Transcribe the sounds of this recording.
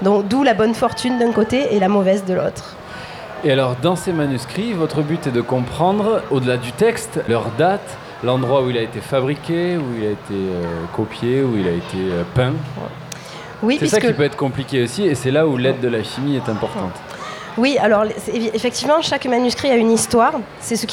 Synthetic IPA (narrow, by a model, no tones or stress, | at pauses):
d̪ɔ̃kd̪ulabɔnfɔʁt̪ynd̪ɛ̃kot̪eːlamɔvɛzd̪əlo̰t̪χ | ealɔʁd̪ɑ̃semanyskχivɔt̪χəbyt̪ɛd̪əkɔ̃pχɑ̃d̪ʁod̪əlad̪yt̪ɛkst̪lœʁd̪at̪ | lɑ̃d̪ʁwauilaet̪efabʁikʲeuilaet̪ʰeøkopjeuilaet̪ʰeøpɛ̃ | wisɛsakkiəpøɛt̪χə̥kɔ̃plikʲeosiesɛlaulɛd̪ːəlaʃimiɛt̪ɛ̃pɔʁt̪ɑ̃t̪ | wialɔʁlsefɛk̚t̪ivmɑ̃ʃakmanyskχiaynist̪waʁ | sɛsək